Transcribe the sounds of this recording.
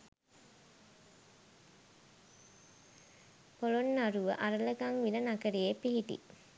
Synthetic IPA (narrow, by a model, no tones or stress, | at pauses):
polonːaɾuʋəʔaɾələɡaŋʋilənakəɾiepiɦiʈḭ